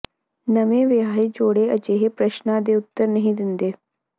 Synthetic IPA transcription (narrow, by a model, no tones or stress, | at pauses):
nəmẽʋeɦaːɦed͡ʒoːɽeəd͡ʒeːɦepɾəʃnad̪eʊt̪ːəɾnɐɦĩd̪ɪnd̪eː